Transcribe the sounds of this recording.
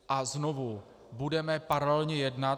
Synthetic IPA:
ʔaznovu | budɛmɛpaɾalɛlɲɛjɛdnat̪

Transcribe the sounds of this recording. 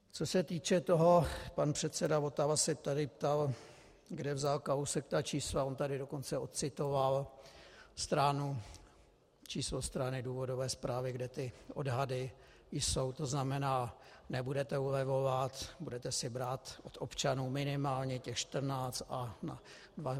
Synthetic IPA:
t͡so̞sɛt̪iːt͡ʃɛt̪o̞ɦo̞panpr̝̥ɛt̪sɛdavo̞t̪avasɛt̪adɪpt̪al | ɡdɛvzalkausɛkt̪aːt͡ʃiːslao̞nt̪adɪdo̞ko̞nt͡sɛo̞t̪̚t͡sɪt̪o̞val | st̪ɾanu | t͡ʃiːslost̪ɾanɪduːvo̞do̞vɛːspɾaːvɪɡdɛt̪ɪʔo̞dɦadɪ | jso̞wt̪o̞znamɛnaːnɛbudɛt̪ɛulɛvo̞vat̪budɛt̪ɛsɪbɾaːt̪ʔot̪ʔo̞pt͡ʃanuːmɪnɪmaːlɲɛcɛxʃt̪r̩naːt͡st̪ʔana | dva

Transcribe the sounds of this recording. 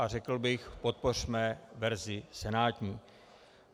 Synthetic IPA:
ʔar̝ɛkl̩bɪxpo̞t̪̚por̝mɛvɛɾzɪsɛnaːt̪ɲiː

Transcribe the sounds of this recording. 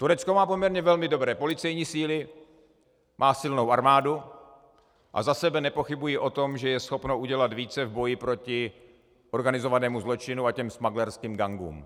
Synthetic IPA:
t̪uɾɛt͡sko̞maːpo̞mɲɛɾɲɛvɛlmɪdo̞bɾɛːpo̞lɪt͡sɛjɲiːsiːlɪ | mʔaːsɪlno̞wʔaɾmaːdu | ʔa̰zasɛbɛnɛpo̞xɪbujɪʔo̞t̪o̞mʒɛjɛsxo̞pnoʔuɟɛlat̪viːt͡sɛvbo̞jɪpɾo̞cɪ | ʔo̞ɾɡanɪzo̞vanɛːmuzlo̞t͡ʃɪnuacɛmsmaɡlɛɾskiːmɡaŋɡṵːm

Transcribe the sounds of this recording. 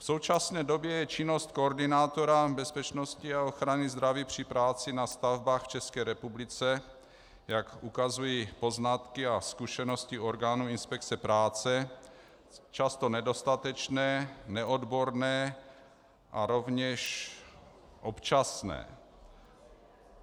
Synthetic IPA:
fso̞wt͡ʃasnɛːdo̞bjɛjɛt͡ʃɪno̞st̪̚koːɾdɪnaːt̪o̞ɾabɛspɛt͡ʃno̞scɪaoxɾanɪzd̪ɾaviːpr̝̥ɪpɾaːt͡sɪnast̪avbaːxft͡ʃɛskɛːɾɛpublɪt͡sɛ | jakʔukazujipo̞znat̪kɪaskuʃɛno̞scɪo̞ɾɡaːnuɪnspɛkt͡sɛpɾaːt͡sɛ | t͡ʃast̪o̞nɛdo̞st̪at̪ɛt͡ʃnɛːnɛʔo̞dbo̞ɾnɛː | ʔaɾo̞vɲɛʃ | ʔopt͡ʃasnɛ̰ː

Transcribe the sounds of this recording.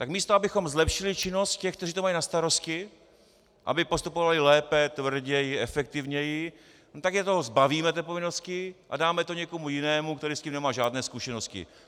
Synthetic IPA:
t̪akmiːst̪oabɪxo̞mzlɛpʃɪlɪt͡ʃɪno̞st̪̚cɛxkt̪ɛriːt̪omajinast̪aɾo̞scɪ | ʔa̰bɪpo̞st̪upo̞valɪlɛːpɛt̪vr̩ɟɛjɪɛfɛk̚t̪ɪvɲɛjɪ | not̪aɡʒɛt̪ozbaviːmɛt̪ɛpovɪnost̪cɪʔa̰daːmɛt̪o̞ɲɛko̞mujɪnɛːmukt̪ɛɾiːsciːmnɛmaːʒaːdnɛːskuʃɛno̞stcɪ̰

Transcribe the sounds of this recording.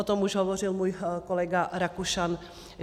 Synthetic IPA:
ot̪omuʒɦovorɪlmuːjkolɛɡaɾakuʃan

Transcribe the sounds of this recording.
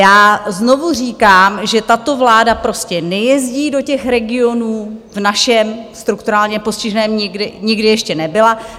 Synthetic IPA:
jaːzno̞vur̝iːkaːmʒɛt̪at̪o̞vlaːdapɾo̞scɛnɛjɛzɟiːdo̞cɛxɾɛɡɪo̞nuːvnaʃɛmst̪ɾukt̪uɾaːlɲɛpo̞scɪʒnɛːmɲɪɡdɪɲɪɡdɪjɛʃcɛnɛbɪla

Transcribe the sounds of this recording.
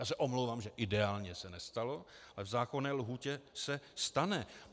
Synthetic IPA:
jaːsɛʔomlowvaːmʒɛʔɪdɛaːlɲɛsɛnɛst̪alo̞alɛvzaːkonɛːlɦuːcɛsɛst̪anɛ

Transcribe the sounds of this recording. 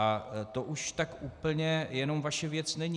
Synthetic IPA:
at̪o̞ʔuʃt̪akʔuːpl̩ɲɛjɛno̞mvaʃɛvjɛt͡snɛɲi

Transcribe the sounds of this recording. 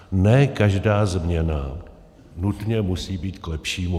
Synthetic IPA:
nɛːkaʒdaːzmɲɛna | nut̪ɲɛmusiːbiːt̪klɛpʃiːmu

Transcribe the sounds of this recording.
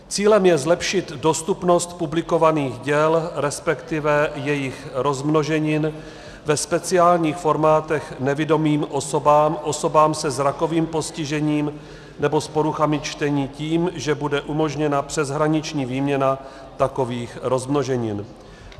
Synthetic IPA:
t͡siːlɛmjɛzlɛpʃɪt̪do̞st̪upno̞st̪publɪko̞vaniːɣɟɛlɾɛspɛkt̪ɪvɛjɛjɪxɾo̞zmno̞ʒɛɲɪn | vɛspɛt͡sɪaːlɲiːxfo̞ɾmaːt̪ɛxnɛvɪdo̞miːmʔo̞so̞baːmʔo̞so̞baːmsɛzɾako̞viːmpo̞scɪʒɛɲiːm | nɛbo̞spo̞ɾuxamɪt͡ʃt̪ɛɲiːciːmʒɛbudɛʔumo̞ʒɲɛnapr̥ɛzɦɾaɲɪt͡ʃɲiːviːmɲɛna | t̪ako̞viːxɾo̞zmno̞ʒɛɲɪn

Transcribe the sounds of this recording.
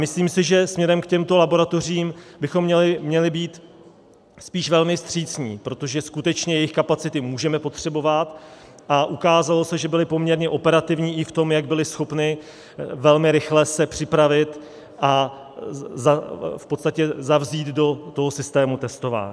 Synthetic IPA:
mɪsliːmsɪʒɛsmɲɛɾɛmkcɛmt̪o̞labo̞ɾat̪o̞r̝iːmbɪxo̞mːɲɛlɪmɲɛlɪbiːt̪ | spiːʃvɛlmɪst̪r̝̥iːt͡sɲiːpɾo̞t̪o̞ʒɛskut̪ɛt͡ʃɲɛjɛjɪxkapat͡sɪt̪ɪmuːʒɛmɛpo̞t̪r̝̥ɛbo̞vat̪ | ʔaʔukaːzalo̞sɛʒɛbɪlɪpo̞mɲɛɾɲɛʔo̞pɛɾat̪ɪvɲiːʔɪft̪o̞mjaɡ̚bɪlɪsxo̞pnɪ | vɛlmɪɾɪxlɛsɛpr̝̥ɪpɾavɪt̪ | ʔa | zafpot̪st̪acɛzavziːd̪do̞t̪o̞ɦo̞sɪst̪ɛːmut̪ɛst̪o̞va̰ːɲː

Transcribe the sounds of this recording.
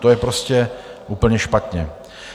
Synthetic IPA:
t̪ojɛpɾoscɛ | ʔuːpl̩ɲɛʃpat̪ɲɛ

